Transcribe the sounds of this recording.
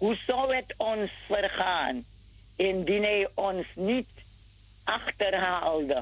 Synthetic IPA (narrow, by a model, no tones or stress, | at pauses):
husɔwɛtɔnsfərχaːn | ɛndinɛjʔɔnsnit | aχtərɦaldə